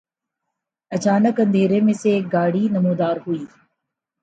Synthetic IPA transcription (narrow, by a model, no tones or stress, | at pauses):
ɐt͡ʃaːnəkɐ̃nd̪ʱeːɾemẽseɡaːɽiːnɐmuːd̪aːɾɦuiː